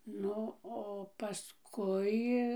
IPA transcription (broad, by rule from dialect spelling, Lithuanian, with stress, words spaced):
ˈnʊ oː pɐˈskʊɪ